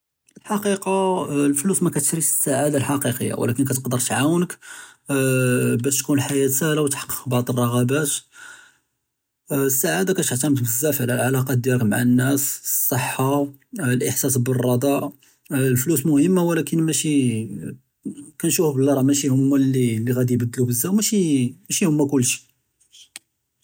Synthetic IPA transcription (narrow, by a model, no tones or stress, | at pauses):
əlħɑqiqɑlflusmækæt̪ʃɾifə̥sːaʕad̪alħɑqiqəjːa̰w̰læ̰kənkæt̪əqd̪əɾˤt̪ʕawnək | bæʃt̪kunlħajæt̪æhlawət̪ħɑ̥qːə̥qbɑʕd̪ˤərˤːɑɣɑbæt̪ | əsːaʕad̪akæt̪əʕt̪æmt̪bəzːæfʕlælʕalɑqɑt̪̚d̪jæləkmaʕanːæssˤːəħːɑlʔəħsæs̬bərˤːɑd̪ˤɑʔ | lflusmʊhəmːawlækənmæʃi | kænʃufbəlːɾˤɑmæʃihʊmːælːilːiɣæd̪ijbəd̪ːlubəzːæmæʃimæʃihʊmːækʊlːʃi̥